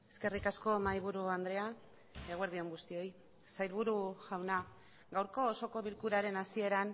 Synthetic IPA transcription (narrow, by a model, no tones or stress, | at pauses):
e̞ske̞rikasko̞majβuɾuand̪ɾe̞a | eɣwe̞ɾð̞io̞ŋɡust̪io̞j | sajlβuɾuʝawna | ɡawɾko̞ːso̞ko̞βilkuɾaɾe̞nasie̞ɾan